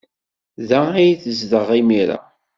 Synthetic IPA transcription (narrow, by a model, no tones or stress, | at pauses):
ðæijθəzðəʁimiɾa̰